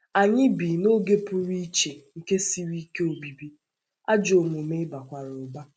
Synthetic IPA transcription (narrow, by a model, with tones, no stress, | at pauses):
a˨ɲɪ˦bi˨no˦ɡe˦pʊ˦ɾi˦t͡ʃe˨ŋ̩˨ke˦si˦ɾi˦ke˦o˨bi˨bi˦ | a˦d͡ʒo˨mo˨me˦ɪ˦ba˨kʷa˨ɾʊ˨ba˦